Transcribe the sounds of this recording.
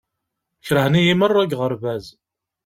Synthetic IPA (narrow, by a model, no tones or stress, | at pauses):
çɾəhnijimərˤːæɡʁəɾvæz